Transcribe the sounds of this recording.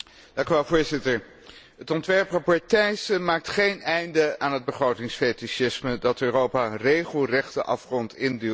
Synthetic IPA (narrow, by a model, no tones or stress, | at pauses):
d̥ɑ̃ŋkyʋɛlˠvʊːɹzɪtəɹ | ɦətɔntʋɛɹprɑpɔɹtɛjsəmaːk̚tχejnɛjndəaːnɦəd̚bəχrowtɪŋsfetisɪsmədɑtøːrowpaːrejχəlˠrɛχtəʔɑ̰fχrɔntɪndə